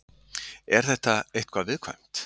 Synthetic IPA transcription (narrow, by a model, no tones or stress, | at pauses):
ɛɾ̥θɛht̪aeht̪̚kʰvaðvɪðkʰvaɥm̥t̪